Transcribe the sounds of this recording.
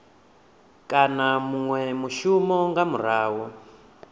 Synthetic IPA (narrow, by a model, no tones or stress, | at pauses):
kʼanamuŋwɛmuʃumɔŋɡamuɾaːwɔ